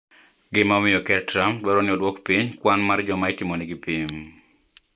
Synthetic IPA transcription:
ɡɪmamɪjɔkɛtɾambwɛɾɔnɪɔdwɔkpiɲkwanmard͡ʒɔmaɪtɪmɔnɪɡɪpiɲ

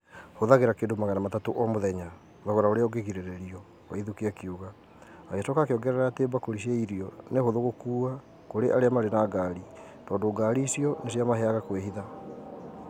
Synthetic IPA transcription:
hoðaɣeɾakeːndomaɣanamatatoʔɔmoðɛɲa | vaɣɔɾaoɾeɔɡeɣiɾeɾɛɾiɔ | waiðukiakiuɣa | aeatokakeɔɡɛɾɛɾateːmbakoɾiɕaiɾiɔnehoðoɣokuːa | koɾeʔaɾeamaɾenaɡaɾi | tɔːndoːɡaːɾisiɔnesiamaɦɛaɣakweɦiða

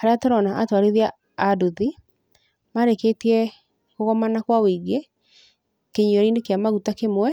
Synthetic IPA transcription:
haɾeatɔɾɔnaʔatwaɾeðiaː | duði | maɾekeːtiɛ | koɣɔmanakwawiːɡe | keɲiɔɾiːnekeamaɣutakemwɛ

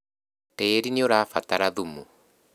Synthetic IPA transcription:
teːɾineoɾaːfat̪aɾaðumu

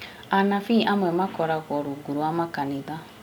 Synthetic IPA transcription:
anafiʔamwɛmakɔɾaɣɔɾuɡuɾwamakaniða

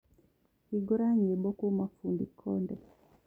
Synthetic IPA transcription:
hiɡɔɾaɲɛɓɔkumafundikʰɔndɛ

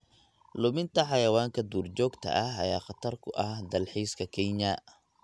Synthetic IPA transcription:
lʊmɪnt̪ʰɐħɑjɐwaːŋkʰɐd̪uːrt͡ʃɔːɡt̪ʰɐ̰ʔɐɦɐ̰jaːχɑt̪ʰɐrkʰʊʔɐhd̪ɐlħiːskʰɐkʰɛɲɐ

